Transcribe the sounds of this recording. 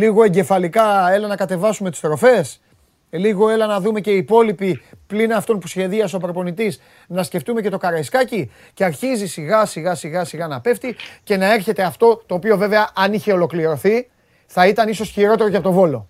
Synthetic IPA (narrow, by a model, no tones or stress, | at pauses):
liɣo̞e̞ɲɟe̞fɐlikɐe̞lɐnɐkɐt̪e̞vɐsumet̪u̥st̪ɾo̞fe̞s | liɣo̞e̞lɐnɐðume̞ce̞ipo̞lipiplinɐft̪o̞npusçe̞ðiɐsopɾo̞po̞nit̪is | nɐsce̞ft̪ume̞ce̞t̪o̞kɐɾɐiskɐci | ce̞ɐɾçizisiɣɐsiɣɐsiɣɐsiɣɐnɐpe̞ft̪ice̞nɐe̞ɾçe̞t̪e̞ɐft̪o̞t̪o̞ːpio̞ve̞ve̞ɐʔɐniçe̞o̞lo̞kliɾo̞θi | θɐit̪ɐniso̞sçiɾo̞t̪e̞ɾo̞ceɐpot̪o̞vo̞lo̞